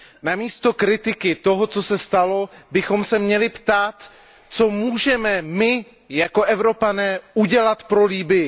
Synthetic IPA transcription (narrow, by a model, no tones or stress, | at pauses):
namiːst̪o̞kɾɪt̪ɪkɪt̪o̞ɦo̞t͡so̞sɛst̪alo̞bɪxo̞msɛmɲɛlɪpt̪aːt̪ | t͡so̞muːʒɛmɛmɪ | jako̞ʔɛvɾo̞panɛːuɟɛlat̪pɾo̞liːbɪjɪ